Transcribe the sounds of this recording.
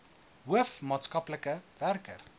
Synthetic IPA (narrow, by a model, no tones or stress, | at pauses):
ɦuəfmɑːtskɐpləkəværkər